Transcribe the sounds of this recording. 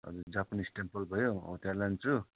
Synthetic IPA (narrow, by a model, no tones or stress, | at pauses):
ʌ̰d͡zud͡zapunisʈempʌlbʱʌjoo̰t̪alant͡su